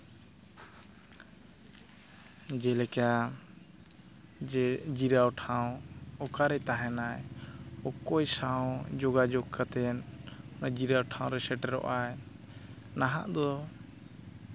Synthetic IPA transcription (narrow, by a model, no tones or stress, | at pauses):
d͡ʒɛlɛka | d͡ʒiɾawʈʰaw̃ɔkaɾɛt̪aɦɛnajɔkɔjsawd͡ʒɔɡad͡ʒɔɡkat̪ɛn | d͡ʒiɾawʈʰaw̃ɾɛsɛʈɛɾɔ̰ʔaj | naɦa̰ʔd̪ɔ